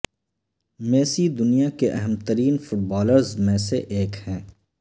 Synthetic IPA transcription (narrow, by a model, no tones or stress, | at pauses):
meːsid̪ʊnijakeʔɛɦəmt̪əɾiːnfʊʈ̚bɔːləɾzmẽːseʔeːkhɛ̃ː